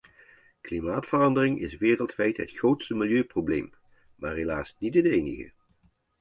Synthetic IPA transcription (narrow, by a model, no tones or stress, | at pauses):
klimaːtfərɑndərɪŋɪ̰sʋɪːrəlˠtʋɛjtɦə̰tχrowtstəmɪljøːprowblḛjm | maːrɦelaːsnitənejnəɣə̰